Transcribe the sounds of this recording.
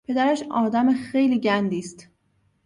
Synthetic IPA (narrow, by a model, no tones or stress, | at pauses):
pʰe̞d̪æɾæʃɒːd̪æmexejliːɟænd̪iːst̪